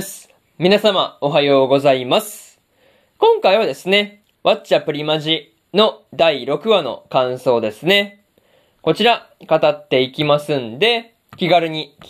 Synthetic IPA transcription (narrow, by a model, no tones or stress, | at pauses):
s | mʲinasamao̞ɦajo̞ːɡo̞zaimasɨ̥ | kõ̞ŋkaiβ̞ad̪e̞sɨne̞ | βat͡ɕapɯ̟ɾʲimaʑi | no̞d̪aiɾo̞kɯ̟βano̞̰kãɰ̃so̞ːd̪e̞sɨne̞ | ko̞t͡ɕiɾakat̪at̪ːe̞ikʲimasɨ̃nd̪e̞ | kʲiɡaɾɯ̟ɲ̟ik